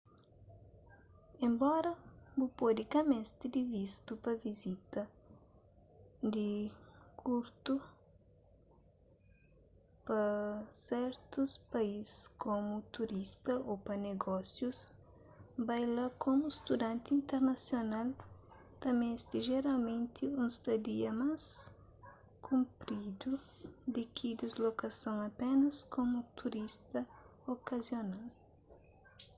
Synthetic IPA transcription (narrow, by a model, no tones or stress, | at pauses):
ẽmbɔɾɐbupod̪ɪkɐmẽst̪id̪ivist̪upɐvizit̪ɐ | d̪ɪkʰuɾt̪u | pɐsɛɾt̪uspɐizɪskomut̪uɾist̪ɐʔopɐneɡɔsjus | bajlakʰomust̪ud̪ãnt̪ĩnt̪eɾnɐsjonal | t̪ɐmẽst̪iʒeɾalmẽnt̪ʰɪũst̪ɐd̪iɐmas | kʰũmpɾid̪u | d̪ɪkʰid̪izlokɐsɐ̃ŋɐpɛnɐskomut̪ʰuɾist̪ɐokɐzjonal